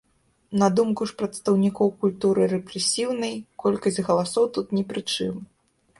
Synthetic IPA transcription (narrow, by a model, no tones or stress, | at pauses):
nɐd̪umkuʂpɾɐt̪st̪ɐwnʲikɔwkulʲt̪uɾɨɾɛpɾɛsʲiwnɐjkɔlʲkɐsʲtʲɣɐlˠasɔwt̪ut̪nʲɛpɾɨt͡ʂɨm